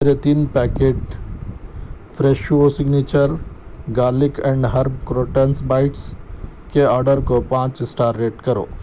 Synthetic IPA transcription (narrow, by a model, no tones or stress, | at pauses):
eɾet̪iːnpɛːkeːʈ | fʰɾeːʃoːsɪɡniːt͡ʃəɾɡaːlɪkɛ̃ɳɖɦɐɾbkɾoːʈensbaːɪʈskeɔːɾɖəɾkopãːt͡ʃɪsʈaːɾːeːʈkɐɾo̰ː